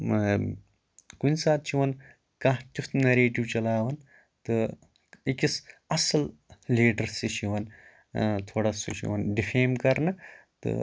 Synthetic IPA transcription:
kunʲsaːt̪̚t͡ʃʰiʋɐn | kãt̪ʲut̪nɐɾeːʈiwt͡ʃɐlaːʋɐn | t̪ɨ | ikisɐsɐlliːɖɐɾsit͡ʃʰiʋɐn | t̪ʰoːɽɐsṵt͡ʃʰḭʋɐnɖifʰeːmkɐɾnɐ | t̪ɨ̰

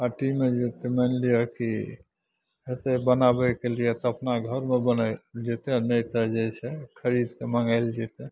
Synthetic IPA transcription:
aʈimed͡ʒet̪emɛnlijəki | ɦet̪ebənabɛkelijɛt̪ɔəpnaɡʱəɾmebənəd͡ʒet̪ɛnəjt̪əd͡ʒɛt͡ʃʰɛkʰəɾid̪keməŋɡaɪld͡ʒɛt̪ɛ

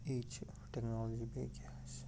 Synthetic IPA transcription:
iːt͡ʃ | ʈɛknɔlɔd͡ʒibeɡa | s

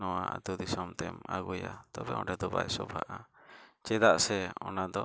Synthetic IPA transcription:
nɔwaa̰t̪ud̪isɔmt̪ɛmaɡujat̪ɔbɛɔ̰̃ɖɛd̪ɔbajsɔbʱaʔat͡ʃɛd̪aʔsɛɔnad̪ɔ

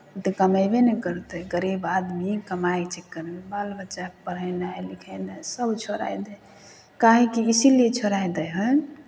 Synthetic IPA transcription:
ut̪ekəməjbenɛkəɾt̪əjɡəɾebad̪mikəmajt͡ʃekːəɾmebalbət͡ʃapəɾənaɛlikʰənasəbt͡ʃʰoɾa̰jd̪ə | kaɦikiisiliet͡ʃʰoɾajd̪əjɦə

